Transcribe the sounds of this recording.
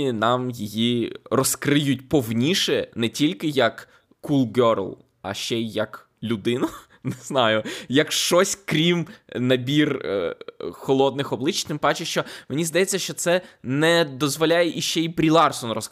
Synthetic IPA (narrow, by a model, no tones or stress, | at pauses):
inɑmjijirɔskɾɪjʊtʲpɔwnʲiʃɛnɛtʲilʲkɪjɐkː | ulˠɡɔɾ̰lˠ | ɐ̰ʃt͡ʃɛjjːɐk | lʲʊd̪ɪnʊ | nɪznɑjʊjɐkʃt͡ʃɔsʲkɾʲimnɐbʲir | xɔlˠɔd̪̚nɪxɔblˠɪt͡ʃt̪ɪmbɑt͡ʃeʃt͡ʃɔmenʲizd̪ɐjɛt͡sʲːɐʃt͡ʃɔt̪sɛnɛd̪ɔzʋɔlʲajɛʔiʃt͡ʃɛibɾʲilˠɑrsɔnrɔs